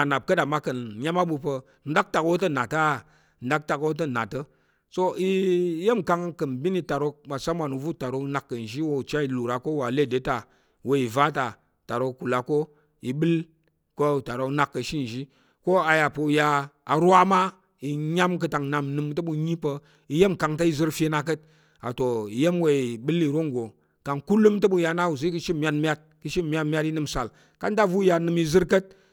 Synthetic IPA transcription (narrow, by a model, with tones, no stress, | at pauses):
a˨na˨b̚kə˦da˨ma˦kə˨nɲa˦ma˦ɓu˧pə˧ | n̩˦da˦k̚ta˨kwo˦t̬ə˦na˨ta˦˨ | n̩da˦k̚ta˨kwo˦t̬ə˦˨na˨tə˦ | so˦i˦je˦˨mka˦ŋkə˨mbi˦ni˦ta˨ɾo˦ma˨sa˦mʷa˨nu˨vu˦˨ta˨ɾo˦na˨kːə˨n˨ʒi˦wo˦˨t͡ʃa˦i˨lu˨ɾa˨ko˦wa˨le˦˨de˨˦ta˨ | wo˦i˨va˦ta˨ | ta˨ɾo˦ku˨la˨ko˦ | i˨ɓɨ˦l | ko˦˨ta˨ɾo˦na˨kːə˨ʃi˦n˨ʒi˦ | ko˦a˨ja˨pə˧˨jaː˧˨ɾʷa˦ma˦ | i˨ɲa˦mk̬ə˧ta˨ŋna˨mnɨ˨mtə˦ɓu˧ɲi˦pə˦ | i˨je˦mka˨ŋta˦i˦zɨ˦ɾfe˦na˧k̬ə˦t̚ | a̰˨to˨i˨je˦mwe˨˦i˨ɓɨ˦li˨ɾo˦ŋ˨ɡo˨ | ka˨ŋku˦lɨ˦mtə˦ɓu˦˧ja˧na˦wu˨zɨ˦kɨ˦ʃi˦˨mʲ˦a˦tmʲ˦a˦t̚kɨ˦ʃi˦˨mʲ˦a˦tmʲ˦a˦ti˦nɨ˦˨msa˨l | ka˦n˦da˦vu˦ja˧nɨ˨mi˧zɨ˦ɾkə˦t̚